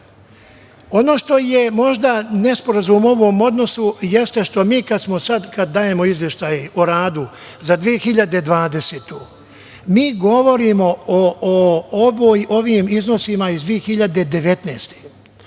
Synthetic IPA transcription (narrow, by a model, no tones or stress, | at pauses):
o̞no̞ːʃt̪o̞je̞mo̞ʒd̪anespo̞ɾazumo̞ʋoːmo̞d̪no̞sujest̪e̞ʃt̪o̞miːkad̪smo̞sad̪kad̪ːaːje̞mo̞izʋje̞ʃt̪aːjoɾaːd̪u | zad̪ʋie̞xiʎad̪ed̪ʋaːd̪e̞set̪u | miːɡo̞ʋo̞ɾiːmo̞oʋojʔo̞ʋiːmizno̞simaizd̪ʋije̞xiʎad̪e̞d̪e̞ʋe̞t̪nḛːst̪e̥